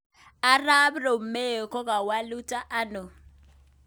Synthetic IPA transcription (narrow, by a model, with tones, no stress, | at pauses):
a˦ra˦bro˨m̩˨me˦˨kɔ˦ɣʼa˨wa˦lu˦tʼa˦ʔa˦no˨